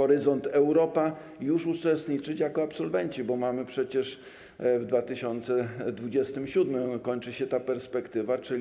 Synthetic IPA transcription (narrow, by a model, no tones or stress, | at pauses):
ɔɾɘzɔnt̪ɛwɾɔpa | juʂut͡ʂɛst̪ɲit͡ʂɘt͡ɕjakɔapsɔlvɛɲt͡ɕibɔmamɘpʂɛt͡ɕɛʂ | vd̪vat̪ɘɕɔnt̪sɛd̪vud͡ʑɛst̪ɘmɕud̪mɘmkɔɲt͡ʂɘɕɛt̪apɛɾspɛkt̪ɘvat͡ʂɘ